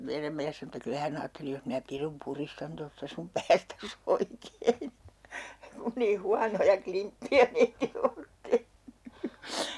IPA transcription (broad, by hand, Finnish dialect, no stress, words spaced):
meiræm miæs sɑno etːæ kylæ hæn ɑːtːeli jos minæ pirum puristɑn tostɑ sum pæːstæs oikein kun niː huɑnojɑ klimpːiæ meitilː oːt tehny